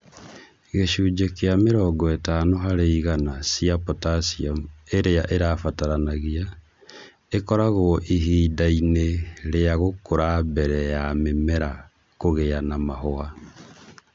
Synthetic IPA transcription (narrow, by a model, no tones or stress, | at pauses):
ɣeʃuːd͡ʒekeameɾɔɡɔetanoɦaɾeiɣanasiapotasiaeɾeaʔeɾafataɾanaɣia | ekɔɾaɣoʔiɦiːdaineɾeaɣokoɾabɛɾɛjamemɛɾa | koɣeanamahoa